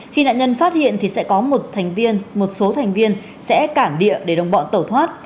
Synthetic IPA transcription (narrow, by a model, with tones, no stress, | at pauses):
xi˧na̰ː˧˨nɲə˧nfaː˦˥t̚hḭ˧˨ənt̪ʰi˨˩sɛ̰˧˥kɔ˨˦mo˨˩t̚t̪ʰa˨˩ŋ̟vi˧ənmo˨˩t̚so˨˦t̪ʰa˨˩ŋ̟vi˧ən | sɛ̰˧˥kaː˧˩mɗḭ˧˨əɗe˧˩ɗə˨˩wŋ͡mɓɔ̰˧˨nt̪ə˧˩t̪ʰwaː˦˥t̚